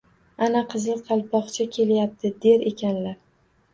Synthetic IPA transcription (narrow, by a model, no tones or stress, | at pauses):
anaqʰɨzɨqʰɑlˠpʰɒqt͡ʃʰakʲʰe̞ljap̚t̪ʰɪd̪e̞ɾe̞kʲʰanlaɾ